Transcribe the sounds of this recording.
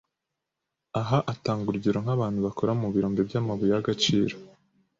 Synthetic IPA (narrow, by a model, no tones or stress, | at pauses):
aɦaʔataːŋɡuɾɟiɾo̞ŋ̥haβaːnhuβako̞ɾamuβiɾoːmɡebjamaβujaɡat͡ʃiːɾo